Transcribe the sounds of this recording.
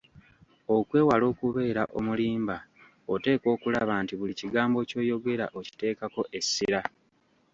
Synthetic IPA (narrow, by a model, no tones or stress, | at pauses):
o̞kwe̞ːwalo̞ːkuβe̞ːɾaʔo̞̰muliːmba | ote̞ːko̞ːkulaβantiβuliciɡaːmbo̞co̞ːjo̞ɡe̞ɾaʔo̞ci̥te̞ːkako̞ʔe̞sːiɾa